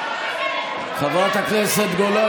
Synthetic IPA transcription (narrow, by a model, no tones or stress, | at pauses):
χaveʁot̪hakneset̪ɡolo